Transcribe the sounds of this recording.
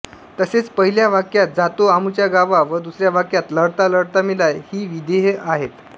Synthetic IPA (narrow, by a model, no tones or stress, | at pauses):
t̪əset͡spəɦiljaʋ̤akjat̪̚d͡zat̪oamut͡ɕjaɡaʋaʋəd̪usɾjaʋ̤akjat̪ləɽt̪aləɽt̪amilajhiːʋid̪eɦeʔaɦet̪